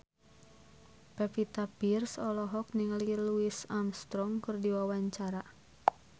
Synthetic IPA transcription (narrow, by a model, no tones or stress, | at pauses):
pɛpit̪apirsɔlɔɦɔk̚nɪŋliluisamst̪ɾɔŋkɨrdiwawaɲt͡ʃaɾa